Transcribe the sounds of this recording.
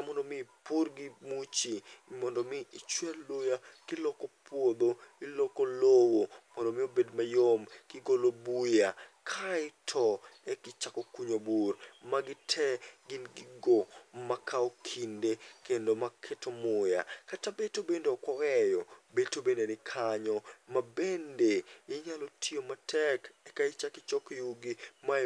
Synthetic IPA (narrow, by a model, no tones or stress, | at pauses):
amɔndomɪporɡɪmut͡ʃimɔndomɪɪt͡ʃwɛlːujakɪlɔkopwod̪oɪlokolowomɔndomɪobedmajomkɪɡolobujakʰaɪtʰɔɛkɪt͡ʃakokuɲoburmaɡɪtʰɛɡɪnɡɪɡomakʰaokʰindekendomakʰetomʊja̰katabetobendeɔkwɔwɛjobetobendenɪkʰaɲɔmabendejɛɲalotʰiomatʰɛkɛkaɪt͡ʃakɪt͡ʃɔkjuɡima